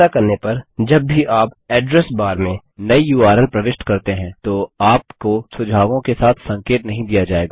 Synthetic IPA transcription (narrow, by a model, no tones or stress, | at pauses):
akɐɾnepɐɾd͡ʒɐbːʱiʔaːpɛːɖɾɛsbaːɾmẽ | nɐijuːaːɾəlpɾɐʋɪʃʈkɐɾt̪eɦɛ̃ːt̪oaːp̚kosʊd͡ʒʱaːʋõkesaːt̪ʰsɐ̃ŋkeːʈnɐɦĩd̪ijad͡ʒaːeːɡaː